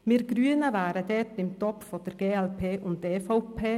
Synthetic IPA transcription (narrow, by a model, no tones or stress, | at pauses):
mɪːɾɡ̥ɾyənəvaːɾədɛtɪmtɔpfod̥əɾɡ̥eːɛlpʰeːʔʊnteːfɔʊpʰeː